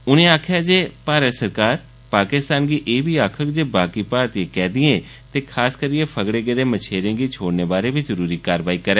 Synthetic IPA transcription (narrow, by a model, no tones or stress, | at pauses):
ʊnẽːaːkʰjaːd͡ʒeːpaːɾət̪səɾkaːɾ | paːkɪst̪aːnɡiːʔeːbiːaːkʰəkd͡ʒeːbaːkiːpaːɾt̪iãːkɛːd̪ɪẽː | t̪eːkʰaːskəɾiːeːpʰəɡɽeːɡed̪eːmət͡ʃʰeːɾẽːɡiːt͡ʃʰoːɽneːbaːɾeːbiːzəɾuːɾiːkaːɾʋaːiːkəɾɛ̃ː